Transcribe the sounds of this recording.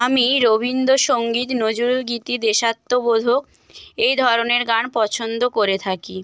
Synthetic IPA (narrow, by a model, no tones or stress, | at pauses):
amiɾobind̪oʃoŋɡit̪nod͡ʑuɾɡit̪id̪eʃat̪ːobod̪ʱok | ejd̪ʱɔɾoneɾɡanpɔt͡ɕʰond̪okoɾet̪ʰaki